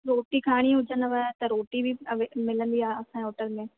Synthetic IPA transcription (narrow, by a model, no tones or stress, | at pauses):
ɾoːʈikʰaːɽ̃ĩɦʊd͡ʒənəʋaːt̪ɐɾoːʈibʱiʋemɪlənbiaːəsãːɔːʈəlmẽː